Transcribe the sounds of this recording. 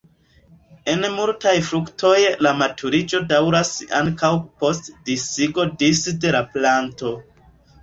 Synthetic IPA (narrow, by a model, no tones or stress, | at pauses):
e̞nmultajfɾuktʰo̞jlamatʰuɾid͡ʒo̞dawɾasa̰ŋkawpo̞stdisiɡo̞disde̞laplanto̞